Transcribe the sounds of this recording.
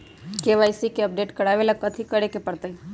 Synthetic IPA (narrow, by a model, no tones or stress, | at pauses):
keʋaːjsikeəp̚ɖeːʈkəɽaʋelakət̪ʰikəɾekepəɽt̪əi